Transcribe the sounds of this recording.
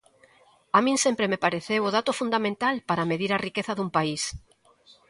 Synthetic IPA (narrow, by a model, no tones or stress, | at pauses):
amĩŋsempɾemepaɾeθewʊðat̪ʊfund̪amẽnt̪alpaɾɐmeðiɾɐrikeθɐðumpais